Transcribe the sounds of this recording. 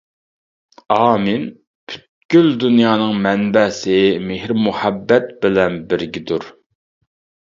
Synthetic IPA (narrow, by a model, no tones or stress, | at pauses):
ɑːmɪn | pʰy̥t̪ɡʲyld̪unjɑːnɨŋmɛnbɛsɪmehɾmuhɛbːɛt̪̚bɪlɛnbɪɾɡʲid̪uɾ